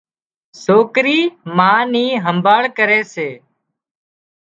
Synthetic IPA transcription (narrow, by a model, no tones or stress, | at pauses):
soːkɾiːmãːniːɦəmbaːɭkəɾeːseː